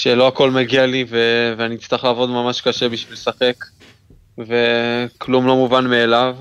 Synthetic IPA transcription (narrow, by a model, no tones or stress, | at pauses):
ʃelo̞ako̞lmeɡialiveveaniːt͡st̪aχlaːvo̞d̪mamaʃkaʃebiʃvilsaχe̞k | ve̞klumlo̞muvanmeːlav